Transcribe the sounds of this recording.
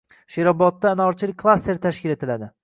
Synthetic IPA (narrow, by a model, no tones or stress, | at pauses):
ʃeɾɒbɒt̪ːaːnaɒɾt͡ʃʰɪlɪkʰlˠast̪eɾt̪ʰaʃkʲɪle̞t̪ʰɪlad̪ɪ